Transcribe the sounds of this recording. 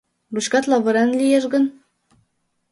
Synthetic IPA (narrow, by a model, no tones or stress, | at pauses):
luɕkɑt̪lˠɑβɤ̆ɾɑnlʲijeʒɡɤ̆n